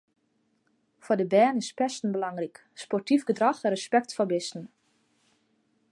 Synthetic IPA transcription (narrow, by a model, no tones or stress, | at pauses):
fɔdəbɛːnɪspɛstn̩bəlɑŋrik | spɔrtifɡədraxrəspɛk̚tfɔbɪstn̩